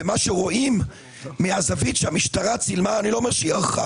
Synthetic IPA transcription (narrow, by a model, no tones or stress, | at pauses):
emaʃeʁo̞ʔimː | eazavit̪ʃeamiʃtaʁat͡silmaːnilo̞omeʁʃejaʁχa̰